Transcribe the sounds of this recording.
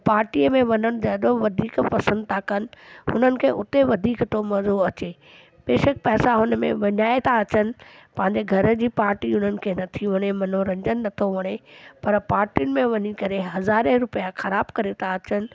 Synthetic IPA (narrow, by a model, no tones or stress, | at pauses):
paːɾʈiəmẽʋɐɲəɽ̃d͡ʑaɗoʋɐd̪ʱiːkpɐsə̃nd̪̚t̪ʰakɐnɪ̆ɦʊn̤ənɪ̆kʰeːʔʊt̪eʋɐd̪ʱiːkt̪ʰomɐzoɐt͡ɕeː | beːʃək̚pɛːsaɦʊnəmḛ̃ʋɐɲaːet̪ʰaɐt͡ɕənɪ̆pɐ̃ɦɪ̃ɲd͡ʑeɡʱɐɾəd͡ʑiːpaːɾʈiɦʊn̤ənɪ̆kʰeːnɐt̪ʰiʋɐɽ̃emɐn̤oɾɐ̃ɲd͡ʑənɪnɐt̪ʰoʋɐɽ̃epɐɾpaːɾʈijʊnɪ̆mẽʋɐɲikɐɾeɦɐzaːɾeɾʊpijaxɐɾaːbkɐɾet̪ʰaɐt͡ɕənɪ̆